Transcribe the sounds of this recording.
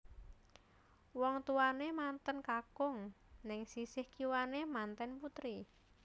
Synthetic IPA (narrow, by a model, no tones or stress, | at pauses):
wɔŋt̪uanemant̪ənkakʊŋnɪŋsisɪhkiwanemant̪ɛnput̪ɾi